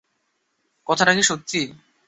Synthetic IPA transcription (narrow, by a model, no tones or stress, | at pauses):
kɔt̪ʰaʈakiʃot̪ːi